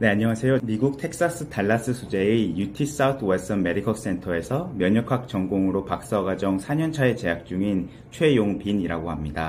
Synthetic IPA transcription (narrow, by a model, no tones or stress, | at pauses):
ne̞aɲʌŋasʰe̞jomiɡuk̚tʰe̞k̚s͈as͈ɯtʰaɭːas͈ɯsʰud͡ʑe̞ijutʰis͈aut̪ʰɯwes͈ʌme̞ɾikʰʌks͈e̞ntʰʌe̞sʰʌmjʌɲʌkʰak̚t͡ɕʌŋɡoŋɯɾopak̚s͈ʌɡad͡ʑʌŋsʰaɲʌnt͡ɕʰae̞t͡ɕe̞ɦak̚t͡ɕ͈uŋin | t͡ɕʰwe̞joŋpiniɾaɡohamɲida